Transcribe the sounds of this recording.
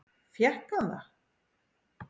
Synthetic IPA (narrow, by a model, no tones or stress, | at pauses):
fjɛhkana̰